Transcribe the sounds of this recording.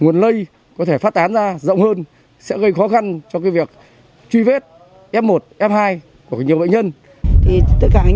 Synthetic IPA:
ŋu˨˩ənlə˧j | kɔ˨˦t̪ʰe˧˩faː˦˥t̚t̪aː˨˦nzaː˧zə̰˧˨wŋ͡mhəː˧n | sɛ̰˧˥ɣə˧jxɔ˨˦xa˧nt͡ɕɔ˧kaː˨˦jvi˨˩ək̚ | t͡ɕwi˧ve˦˥t̚ | ʔɛ˧˥pmo˨˩t̚ʔɛ˧˥mhaː˧j | ku˧˩əɲi˨˩əɓə̰˧˨ɲə˧n | t̪ʰi˨˩t̪ə˦˥t̚kaː˧˩ʔ

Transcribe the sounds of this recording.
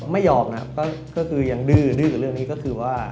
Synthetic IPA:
ma˥˩jːɔː˧˩p̚na̰˧˥kɔː˥˩kɔː˥˩kʰɯː˧ja˨˩ŋdɯː˧˩dɯː˧kːɾɯ˥˩əŋniː˦˥kɔː˥˩kʰɯː˧waː˥˩

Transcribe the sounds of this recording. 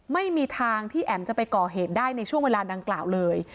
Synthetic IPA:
ma˥˩jmiː˧t̪ʰaː˧ŋt̪ʰiː˥˩ʔɛː˨˩mt͡ɕa˨˩pa˧jkɔː˨˩ɦeː˨˩t̪̚daː˥˩jna˧jt͡ɕʰu˥˩əŋweː˧laː˧da˧ŋklaː˨˩wlɤː˧j

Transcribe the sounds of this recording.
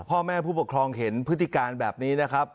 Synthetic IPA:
pʰɔː˥˩mɛː˥˩pʰuː˥˩pu˨˩kʰɾɔː˧ŋɦe˩˦npʰɯ˦˥t̪ʰːi˧˨˩kaː˧nbɛː˨˩p̚niː˦˥na˦˥kʰa˦˥p̚

